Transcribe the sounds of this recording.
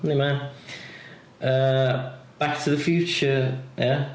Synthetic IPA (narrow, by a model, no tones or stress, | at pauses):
nemãn | ʔə | b̥ak̚tʰəðəfjʉˑt͡ʃəja